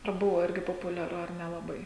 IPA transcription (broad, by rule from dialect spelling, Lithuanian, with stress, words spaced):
ɐr ˈbʊʋoː ˈɪrʲɡʲɪ poːpʊlʲɛˈrʊ ɐr nʲɛlˠɐˈbɐɪ